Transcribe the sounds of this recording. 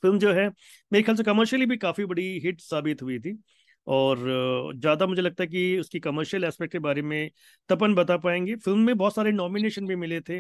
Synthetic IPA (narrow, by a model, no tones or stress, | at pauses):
fɪlmd͡ʒoːɦɛː | meːɾexjaːlsekɐməɾʃəlibʱikaːfibɐɽiɦɪʈsaːbɪt̪ɦʊit̪ʰiː | ɔːɾzjaːd̪amʊd͡ʒʱelɐɡ̚t̪aɦɛk̬iʊskikɐməɾʃəlɛːspɛk̚ʈkebaːɾemẽ | t̪ɐp̬ənbɐt̪apaːẽːŋɡeːfɪlmːẽbɔːt̪saːɾenɔːmineːʃənbʱimɪlet̪ʰeː